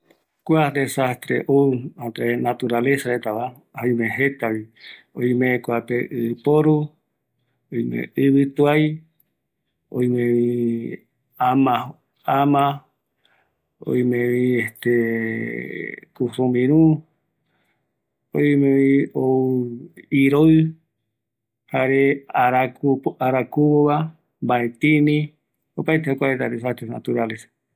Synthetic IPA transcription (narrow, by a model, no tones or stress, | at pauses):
kʷad̪esast̪ɾeʔoãt̪ɾenat̪uɾalesaɾet̪aβa | aj̃mẽɦet̪aβi | õj̃mẽkʷapeʔɨpoɾu | ojmḛ̃ɨβɨt̪uaj | o̰jmẽβi | amã | amã | o̰jmẽβĩest̪e | kusõmĩɾũ | o̰jmẽβĩo | iɾo | haɾeaɾakupaɾakuβoβa | mbaet̪ĩnĩ | opaet̪ehokʷaet̪ad̪esat̪esna̰t̪uɾales